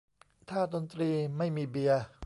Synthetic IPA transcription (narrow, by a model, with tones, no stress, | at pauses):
t̪ʰaː˥˩d̪o˧nt̪ɾiː˧ma˥˩jmiː˧bi˧ɐ